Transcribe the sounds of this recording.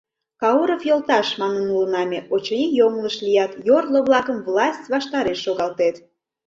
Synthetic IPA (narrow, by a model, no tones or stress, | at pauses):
kɑuɾofjolt̪ɑʃmɑnənulənɑmʲeʔot͡ɕonʲijomləʃlijɑt̪jorloβlɑkəmvlɑsʲtʲβɑʃt̪ɑɾeʃːoɣɑlt̪et̪